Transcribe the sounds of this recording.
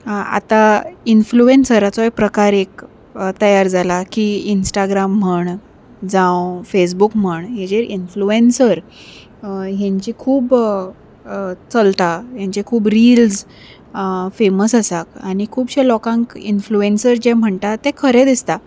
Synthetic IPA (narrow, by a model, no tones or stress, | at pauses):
a̰t̪ainfluensəɾat͡sɔɛpɾəkaɾek | t̪əjaɾd͡zalakiinsʈaɡɾam̤ːəɳ | d͡zãwfes̬bukm̤əɳɦed͡ʑeɾinfluensəɾ | ɦjãɲt͡ɕikʰuːb | t͡səlt̪ajãɲt͡ɕikʰuːbɾild͡z | feməsəsakaɽ̃ikʰuːbɕelɔkãŋkinfluensəɾd͡ʑem̤əɳt̪at̪ẽkʰəɾɛd̪ist̪a